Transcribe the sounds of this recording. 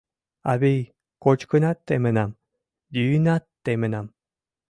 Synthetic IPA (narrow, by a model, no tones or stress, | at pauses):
a̰βej | kot͡ʃkɯnat̪ːemenam | diːnat̪ːemenam